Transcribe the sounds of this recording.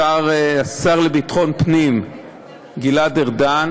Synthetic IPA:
aʁasaʁlebit̪χo̞npnim | ɡiladeʁdan

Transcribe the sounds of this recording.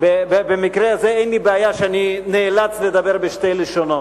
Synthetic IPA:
bebebemikɾeazeejnlibeajaʃeanineːlat͡sled̪abeʁbeʃtejleʃono

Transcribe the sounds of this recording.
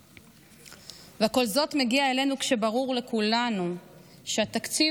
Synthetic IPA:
veko̞lzo̞t̪me̞ɡiaele̞nukʃe̞baʁuʁle̞kulanu | ʃeat̪akt͡si

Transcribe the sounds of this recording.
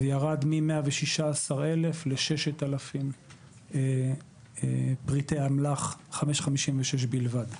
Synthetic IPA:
jaʁadmimeaveʃiʃaːsaʁelefleʃeʃetalafim | e | pʁitejamlaχχameʃχamiʃimveʃeʃ̬bilvad

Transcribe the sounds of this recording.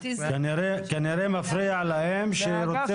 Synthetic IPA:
knɾekaniɾemafɾiaʕlahemʃeɾot͡si

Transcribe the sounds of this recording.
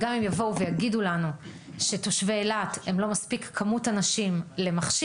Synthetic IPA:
ɡamimjavo̞uvejaɡidulanu | ʃeto̞ʃveːlate̞mlo̞maspikːʰamutanaʃimle̞maχʃi

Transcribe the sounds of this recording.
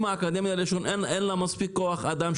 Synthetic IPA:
maːkad̪emjaliʃo̞nenenlamaspikːoaχad̪am

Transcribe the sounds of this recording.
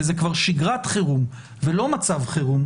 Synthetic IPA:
zekvaʁʃiɡʁatχeʁum | velo̞mat͡savχeʁum

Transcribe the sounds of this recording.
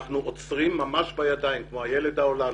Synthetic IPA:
χnuʔot͡sʁimːamaʃbajad̪ajimkmo̞ajele̞d̪ao̞la

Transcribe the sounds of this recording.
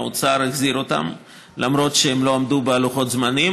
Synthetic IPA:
o̰t͡saɾaɡziɾo̞t̪a̰m | lʔamɾo̞tʃeemlo̞amd̪ubealuχo̞t̪zmani

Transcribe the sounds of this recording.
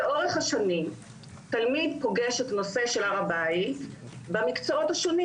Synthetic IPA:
eʔoʁeχhaʃanim | talmidpo̞ɡeʃetano̞se̞ʃe̞laʁabait | beamikt͡soothaʃoni

